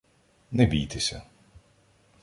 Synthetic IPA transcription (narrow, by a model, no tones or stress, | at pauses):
nʲɛbʲiːt̪ʲɪsʲɛ̰